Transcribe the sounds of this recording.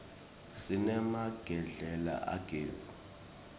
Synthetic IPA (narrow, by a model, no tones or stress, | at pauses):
sinɛmaɡ̥ʱɛɮɛla̰ʔaɡ̥ʱeːzi